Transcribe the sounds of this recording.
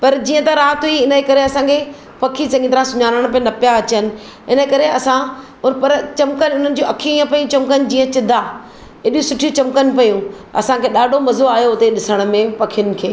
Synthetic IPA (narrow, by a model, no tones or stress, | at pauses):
pɐɾd͡ʑiːə̃t̪aɾaːt̪ɦuiɪnəkɐɾeɐsãkʰe | pɐkʰisɐ̃ŋɡĩt̪ɐɾãsʊɲaːɾəɽ̃p̬enɐpijaɐt͡ɕənɪ̆ | ɪnəkɐɾeɐsã | ʊnpɐɾt͡ɕɐmkənʊn̤ənɪ̆d͡ʑuʔɐkʰijũiːə̃pɐjũt͡ɕɐmkənɪ̆d͡ʑiːə̃t͡ɕɪd̪ʱa | ɪɗũsʊʈʰijũt͡ɕɐmkənpɐjũ | ɐ̰sãkʰeɗaːɖʱomɐzoaːjoʊt̪eɗɪsəɽ̃mẽpɐkʰijʊnɪ̆kʰeː